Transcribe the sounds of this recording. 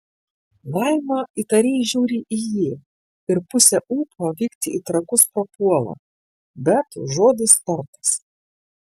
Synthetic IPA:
lˠɐɪmɐit̪ɐɾʲeːʒʲuːɾʲiːʔijiː | ɪɾpʊsʲɛʔuːpoːʋʲiːkt̪ʲɪit̪ɾɐkʊspɐpuɔlˠɐ̰ | bʲɛt̪ʒoːd̪ʲɪst̪ɐɾt̪ɐ̥s

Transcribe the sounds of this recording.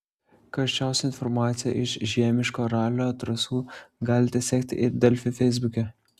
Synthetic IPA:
kɐʃʲt͡ʃʲɛʊsʲɛɪnfɔɾmɑːt̪sʲɪjɛ̰ʔɪʃʒʲiɛmʲɪʃkoːɾɑːlʲoːt̪ɾɐsuːɡɑːlʲɪt̪ʲɛsʲɛːkʲt̪ʲɪ̰ʔɪɾd̪ʲɛlʲfʲʊfʲɛɪzʲbʊkʲɛ

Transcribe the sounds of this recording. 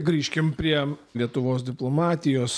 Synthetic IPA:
ɡɾʲiːʃʲkʲɪmpʲɾʲiɛlʲiɛt̪ʊʋoːs̬d̪ʲɪplˠoːmɑːt̪ʲɪjoːs

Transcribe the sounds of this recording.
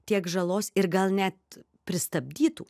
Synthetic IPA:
t̪ʲiɛkʒɐlˠoːsɪɾɡɐlˠnʲæt̪ | pʲɾʲɪst̪ɐbʲd̪ʲiːt̪uː

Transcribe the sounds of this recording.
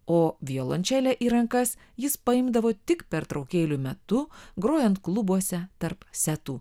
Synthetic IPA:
oːʋʲiolˠonʲt͡ʃʲæːlʲɛʔiːɾɐŋkɐs | jɪspɐɪmd̪ɐʋoːt̪ʲɪkpʲɛɾt̪ɾɒʊkʲeːlʲʊmʲɛt̪ʊɡɾoːjɛnt̪klˠʊbuɔsʲɛt̪ɐɾpsʲæt̪uː

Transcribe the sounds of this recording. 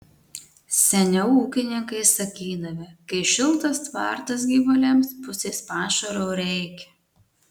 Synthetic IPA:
sʲɛnʲɛʊuːkʲɪnʲɪŋkɐɪsɐkʲiːd̪ɐʋʲɪkɐɪʃʲɪlˠt̪ɐst̪ʋɑ̰ˑɾt̪ɐs̬ɡʲiːʋʊlʲɛmspʊsʲeːspɑːʃɐɾoːɾʲɛɪkʲɛ̥

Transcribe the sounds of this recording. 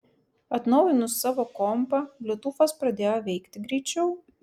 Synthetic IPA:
ɐt̪nɒʊjɪnʊsːɑːʋoːkɔmpɐlʲʊt̪ʊfɐspɾɐd̪ʲeːjoʋʲɛɪkt̪ʲɪɡɾʲɛɪt͡ʃʲɛʊ

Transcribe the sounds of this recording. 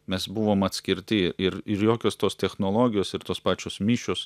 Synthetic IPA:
mʲɛsbuʋoːmɐt̪ʲsʲkʲɪɾʲt̪ʲɪɪɾɪɾjoːkʲoːst̪oːst̪ʲɛxnoːlˠoːɡʲɪjoːsɪɾt̪oːspɑːt͡ʃʲoːsmʲiːʃʲoːs

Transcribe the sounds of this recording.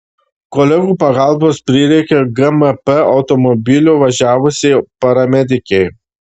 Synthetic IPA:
kɔlʲɛɡuːpɐɡɑˑlˠboːspʲɾʲɪɾʲɛɪkʲɛɡɐmɛpɛɐʊt̪ɔmɔbʲɪlʲuːʋɐʒʲæːʋʊsʲɛɪpɐɾɐmʲɛd̪ʲɪkʲɛɪ

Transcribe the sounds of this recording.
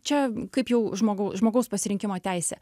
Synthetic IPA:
t͡ʃʲɛkɐɪpjɛʊʒmoːɡɐʊʒmoːɡɐʊspɐsʲɪɾʲɪŋʲkʲɪmoːt̪ʲæɪsʲɛ̰ː

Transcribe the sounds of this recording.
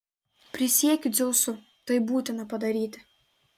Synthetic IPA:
pɾʲɪsʲekʲzʲosʊ | t̪ɐjbut̪ʲɐnapɐd̪ɐɾʲit̪ʲ

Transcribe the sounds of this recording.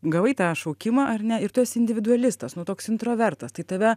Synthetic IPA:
ɡɐʋˠɐɪt̪ɑːʃɐʊkʲɪmɐʔɐrnʲɛɪɾt̪ʊɛsɪnʲd̪ʲɪʋʲɪd̪ʊɐlʲɪst̪ɐsnʊt̪oːksɪnt̪ɾoːʋʲɛɾt̪ɐst̪ɐɪt̪ɐʋʲɛ

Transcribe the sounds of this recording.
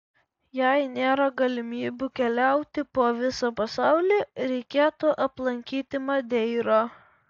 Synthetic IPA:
jæɪnʲeːɾɐɡɐlʲɪmʲiːbʲʊkʲɛlʲɛʊt̪ʲɪpoːʋʲɪsopɐsɑˑʊlʲiːɾʲɛɪkʲeːt̪ʊʔɐplˠɐŋʲkʲiːt̪ʲɪmɐd̪ʲɛɪɾoː

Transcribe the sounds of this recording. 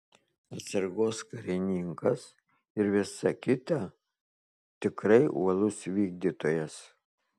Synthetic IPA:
ɐt̪ʲsʲɐɾɡoːskɐɾʲɪnʲiŋkɐs | ɪɾʋʲɪsɐkʲɪt̪ɐ | t̪ʲɪkɾɐɪʔṵɔlˠʊsʋʲiːɡ̚d̪ʲiːt̪oːjɛs

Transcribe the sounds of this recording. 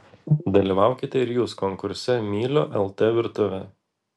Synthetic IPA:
d̪ɐlʲiːʋɑˑʊkʲɪt̪ʲɛɪɾjuːskɔŋkʊɾʲsʲɛmʲiːlʲoːʔɛlˠt̪eʋʲɪɾt̪ʊʋʲɛ

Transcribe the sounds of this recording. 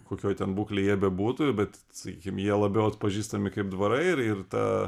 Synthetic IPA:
koːkʲoːjt̪ʲɛnbuːklʲeɪjiɛbʲɛbuːt̪ʊbʲɛt̪ | sɐkʲiːkʲɪmjiɛlˠɐbʲɛʊɐt̪pɐʒʲiːst̪ɐmʲɪkɐɪpd̪ʋɐɾɐɪɪɾɪrt̪ɑ̰ː

